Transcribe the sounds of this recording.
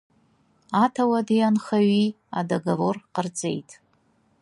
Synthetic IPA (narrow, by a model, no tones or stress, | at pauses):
atʰawadijanχaɥi | a̰daɡavorqərd͡zʼe̞̰jtʼ